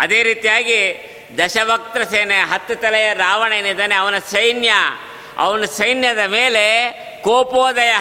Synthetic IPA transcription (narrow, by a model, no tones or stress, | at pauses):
ɐd̪eːɾiːt̪ijaːɡi | d̪ɐʃɐʋɐk̚t̪ɾɐseːneɦɐt̪ːut̪ɐlɛjɐɾaːʋɐɳeːnid̪ɐneɐʋɐnɐsɐjnjɐ | ɐ̰ʋɐnɐsɐjnjɐd̪ɐmeːle̞ | koːpoːd̪ɐjɐ